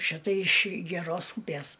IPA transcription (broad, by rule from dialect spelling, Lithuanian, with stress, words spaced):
ˈʃʲɪtɐ ɪʃ ɡʲɛˈroːs ˈuːpʲeːs